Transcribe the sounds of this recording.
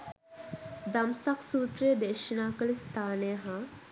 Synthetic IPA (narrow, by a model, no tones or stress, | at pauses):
d̪amsaksuːt̪ɾejəd̪eʃənaːkəlist̪ʰaːnejəɦa